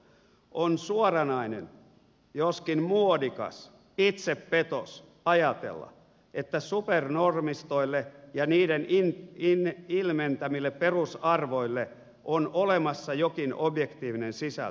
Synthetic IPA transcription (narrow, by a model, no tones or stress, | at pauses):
ʔonsuorɑnɑinen | joskinmuodikɑ̰s | it̪seppet̪o̰s | ɑjɑt̪ḛlːɑ̰ | et̪ːæsupernormist̪oilːejɑniːdenininilment̪æmilːepperusɑrʋoilːe | ʔonolemɑsːɑjokinobjekt̪iːʋinensisæ̰l